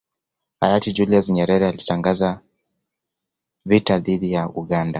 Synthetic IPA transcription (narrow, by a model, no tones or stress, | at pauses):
ha̰jatid͡ʒuliasɲɛɾɛɾɛalitaŋɡaza | vitaðiðijauɠanda